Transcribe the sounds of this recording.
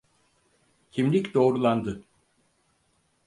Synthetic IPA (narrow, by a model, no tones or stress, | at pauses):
cʰimlʲicd̪o̞ːɾulˠand̪ɯ